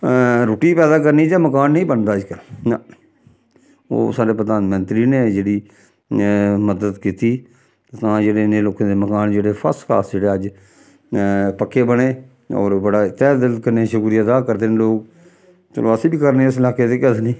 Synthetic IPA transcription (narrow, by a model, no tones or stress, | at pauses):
ɾoːʈiːpɛːd̪aːkəɾniːd͡ʒãːməkaːnːĩːbənd̪aːɪd͡ʒkəla | o̰ːsaːɾeːpɾəd̪aːnmənt̪ɾiːneːd͡ʒeːɽiː | məd̪əd̪kiːt̪iː | t̪ãːd͡ʒeːɽeːneːloːkãːd̪eːməkaːnd͡ʒeːɽeːpʰə̰ɾskʰa̰ːsd͡ʒeːɽeːəd͡ʒ | pəkʰːeːbəɽeː | ɔ̰ːɾbəɽaːt̪ɛːd̪ɪlt̪̚kəɾnẽːʃʊkuːɾijad̪aːkəɾd̪eːneːloːk | t̪o̰loəsiːbiːkəɾnẽːɪsɪlaːkeːd̪eːkət̪niː